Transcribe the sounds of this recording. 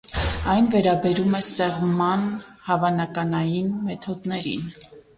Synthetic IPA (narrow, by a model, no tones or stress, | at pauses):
ɑjnvɛɾɑbɛɾumɛsɛʁmɑnhɑvɑnɑkɑnɑjinmɛt̪ʰɔd̪nɛɾḭn